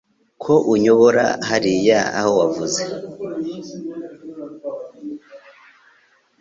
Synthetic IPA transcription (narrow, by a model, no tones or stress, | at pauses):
kʰo̞ʔuɲo̞βoɾa̰haɾijaa̰howavuze